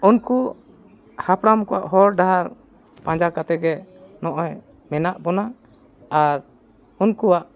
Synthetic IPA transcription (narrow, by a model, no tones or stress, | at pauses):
unku | hapɽamkɔwa̰ʔɦɔɾɖaɦaɾ | pãɲd͡ʒakat̪ɛɡɛnɔʔɔj | mɛnaʔbɔna | aɾ | unkuwaʔ